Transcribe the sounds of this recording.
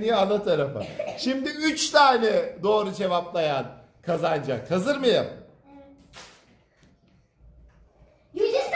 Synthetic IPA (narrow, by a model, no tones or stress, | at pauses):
nijanˠat̪ʰaɾafa̰ʃimd̪iyt͡ʃt̪ʰaːnɛd̪o̞ːɾud͡ʒe̞vaplˠajan | kʰazand͡ʒa̰kʰːazɯɾmɯjam